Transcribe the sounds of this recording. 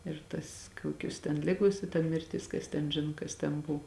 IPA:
ɪr ˈtɐs ˈkuɔkʲʊs tʲɛn ˈlʲɪɡoːs ɪ tɐ mʲɪrʲˈtʲɪs ˈkɐs tʲɛn ˈʒʲɪnoː kɐs tʲɛn ˈbʊw

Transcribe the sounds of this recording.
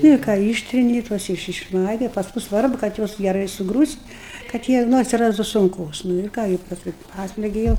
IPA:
ˈnʊ ɪr ˈkɑː ˈiːʃʲtʲrʲɪnʲɪ ˈtuɔs ɪʃ ɪʃˈmɐɪɡɐɪ ˈpɑːskʊ ˈsʋɐrbʊ kɐt ˈjuɔs ɡʲɛˈrɐɪ sʊˈɡruːsʲtʲ kɐt ˈjiɛ ˈnʊ ɐtʲsʲɪˈrɑːstʊ sʊŋˈkoːs nʊ ɪr ˈkɑː ɡʲɪ pɐsˈkʊɪ ˈpɑːsʲlʲɛɡʲɪ jɛʊ

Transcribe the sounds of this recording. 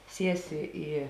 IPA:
ˈsʲiɛsʲɪ ˈiː

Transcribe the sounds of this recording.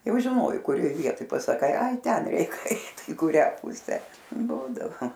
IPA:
ˈjɛʊ ʒʲɪˈnoːjɛɪ kʊˈrʲoːj ˈʋʲiɛtoːj pɐsɐˈkɐɪ ˈɐɪ ˈtʲɛn ˈɛɪk ˈɛɪt ɪ kʊˈrʲæː ˈpʊsʲæː ˈbuːdɐʋoː

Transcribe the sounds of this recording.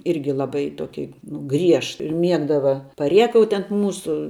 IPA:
ˈɪrʲɡʲɪ lˠɐˈbɐɪ ˈtoːkʲɪ nʊ ˈɡrʲiɛʃ ɪr ˈmʲiɛɡdɐʋɐ pɐˈrʲiɛkɐʊtʲɪ ɐnt ˈmuːsʊ

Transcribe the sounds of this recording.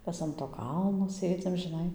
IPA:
ˈmʲɛs ɐn toː ˈkɐlˠnoː ˈsʲeːd͡zʲɪm ʒʲɪˈnɐɪ

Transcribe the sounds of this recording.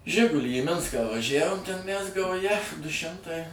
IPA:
ˈʒʲɪɡʊlʲiː iː ˈmʲɪnskɑː ʋɐˈʒʲæʋoːm tʲɛn mʲæs ɡɐʊˈjɛ dʊ ˈʃʲɪmtɐɪ

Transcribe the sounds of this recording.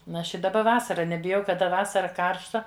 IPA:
n ˈɐʃ ɪ dɐˈbɐ ˈʋɑːsɐrɐ nʲɛbʲɪˈjɛʊ kɐˈdɐ ˈʋɑːsɐrɐ ˈkɐrʃtɐ

